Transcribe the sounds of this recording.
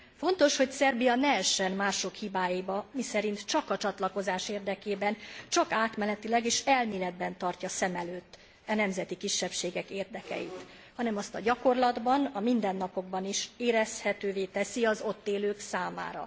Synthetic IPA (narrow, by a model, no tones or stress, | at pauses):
fo̞nt̪o̞ʃho̞csɛrbijɒnɛɛʃːɛnmaːʃo̞khibaːjibɒmisɛɾint̪t͡ʃɒkɒt͡ʃɒt̪lɒko̞zaːʃeːrd̪ɛkeːbɛnt͡ʃɒkaːt̪mɛlɛt̪ilɛɡeːʃɛlmiːlɛd̪bɛnt̪ɒrcɒsɛmɛløːt̪ː | ɛnɛmzɛt̪ikiʃːɛpʃeːɡɛkeːrd̪ɛkɛ̰jḭt̪ | hɒnɛmɒst̪ɒɟɒko̞rlɒd̪bɒnɒmind̪ɛnːɒpo̞ɡ̚bɒniʃeːɾɛshɛt̪øːveːt̪ɛsiɒzo̞t̪ːeːløːksaːma̰ːɾɒ̰